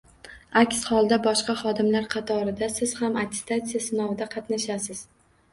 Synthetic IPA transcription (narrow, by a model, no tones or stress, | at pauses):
akʲshɒlˠd̪abɒʃqɑχɒd̪ɪmlaɾqʰɑt̪ʰɒɾɪd̪asɪz̥hamat̪ʲʰe̥st̪at̪sijasɪnɒvɪd̪aqʰɑt̪naʃasɪz̥